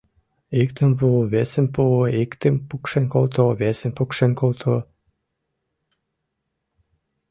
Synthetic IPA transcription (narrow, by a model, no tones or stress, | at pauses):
ikt̪ə̆mpuoβesĕmʲpuikt̪ə̆mpukʃĕnʲkolt̪oβesĕmʲpukʃenʲkolˠt̪ʰo